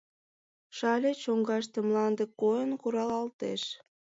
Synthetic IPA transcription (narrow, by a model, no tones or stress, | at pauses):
ʃɑlʲet͡ɕoŋɡɑʃ̬t̪ĕmlɑnd̪ekːojənkuɾɑlɑlt̪eʃ